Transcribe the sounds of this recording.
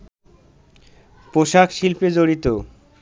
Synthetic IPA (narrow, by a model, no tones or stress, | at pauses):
poʃakʃilped͡ʑoɽit̪o